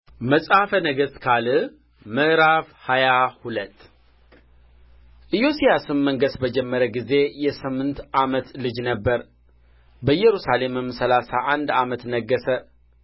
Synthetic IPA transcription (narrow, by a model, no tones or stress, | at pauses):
məsʼafənəɡəskʰalɨ | mɨʔɾafhajahulət̪ː | ʔɨjo̞sijasɨmːəŋɡəsbəd͡ʒɛmːəɾəɡize̞jɛsɨmːɨnt̪ʔamət̪lɨd͡ʒnəbːəɾ | bəjːɛɾusale̞mɨmsəlasaʔand̪amət̪nəɡːəsə